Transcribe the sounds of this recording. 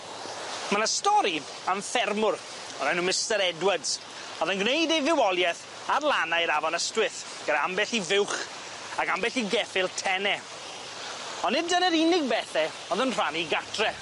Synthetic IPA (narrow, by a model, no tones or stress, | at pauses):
mənastɔɾi | aɱfɛrmʊr | ɔnanumɪstɛɾɛdwədz̥ | ɔðənɡwnejdejvɪwɔlˠjɛθ | arlˠanajɾavɔnəstwɪθ | ɡ̥ənaambɛɬivɪwχ | akambɛɬiɡɛfɪlˠtʰɛnɛ | ɔnːɪd̚dənəɾɪnɪɡ̚bɛθɛ | ɔðənr̥aniɡatʰrɛ